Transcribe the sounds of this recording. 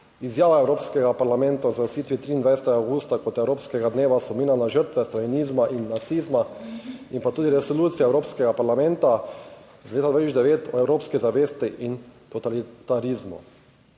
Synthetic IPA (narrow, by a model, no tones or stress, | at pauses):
izjaːʋaɛwɾoːpskɛɡapaɾlamɛ̃nt̪azɐsiːt̪ʋit̪ɾiːnd̪ʋajsɛt̪ɛɡaawɡuːst̪akɔt̪ɛwɾoːpskɛɡad̪neːʋasɔmiːnanaʒəɾt̪ʋɛst̪alinizmaʔinːat̪sizmaimpat̪uːd̪iɾɛsoluːt̪sijaɛwɾoːpskɛɡapaɾlamɛ̃nt̪a | zleːt̪ad̪ʋat̪isd̪ɛʋeːt̪ɔɛwɾoːpskɛzaʋeːst̪iʔint̪ɔt̪alit̪aɾizmṵ